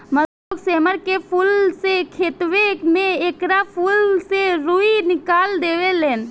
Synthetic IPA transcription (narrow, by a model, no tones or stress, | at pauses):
mə | okseːməɾkepʰulsekʰeːt̪ʋekmẽeːkɾapʰulseɾuinɪkaːld̪eːʋeleːn